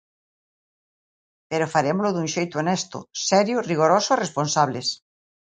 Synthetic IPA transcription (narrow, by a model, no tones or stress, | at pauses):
peɾofaɾemʊlʊðũŋʃejt̪ʊonɛst̪ʊ̰sɛɾjʊriɣ̞oɾosʊeresponsaβles